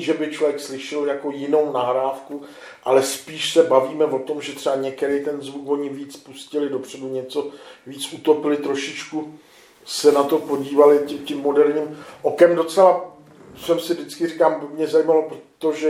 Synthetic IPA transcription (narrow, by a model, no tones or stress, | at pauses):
ʒɛbɪt͡ʃlovjɛkslɪʃɪljako̞jɪno̞wnaɦɾaːfku | ʔalɛspiːʃsɛbaviːmɛvo̞t̪o̞mʒɛt̪r̥ɛaɲɛkɛɾijt̪ɛnzvukvo̞ɲɪviːt͡spuscɪlɪdo̞pr̝̥ɛduɲɛt͡so̞viːt͡sʔut̪o̞pɪlɪt̪ɾo̞ʃɪt͡ʃku | sɛnat̪o̞po̞ɟiːvalɪcɪcɪmːo̞dɛɾɲiːmʔo̞kɛmdo̞t͡sɛla | sɛmsɪvdɪt͡skɪrɪkaːmbɪmɲɛzajimalopɾot̪oʒɛ